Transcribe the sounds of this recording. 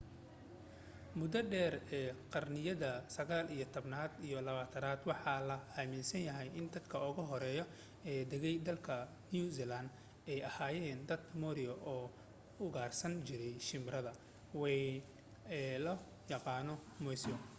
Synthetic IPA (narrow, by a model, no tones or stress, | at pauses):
mʊd̪ɐɖɛːrɛːqɑrnɪjɐðɐsɐɣaːlijɔt̪ʰɔbnaːd̪ijɔlɐβaːt̪ʰɐnaːd̪wɑħɑlɐhaːminsɐnjɐɦɛjʔɪnd̪ɐd̪kʰɐʊɣɐɦɔɾɛːjɔ | ɛːd̪ɛɣɛjd̪ɐlkʰɐ | nijusilɐnd̪ | ɛjɐhaːjɛːnd̪ɐd̪mɔɾɪɔʔɔː | ʊɣaːrsɐnt͡ʃɪɾɛjʃɪmɾɐðɐ | wɛ | ɛlɐ | jɑqɑːnɔmɔsɔ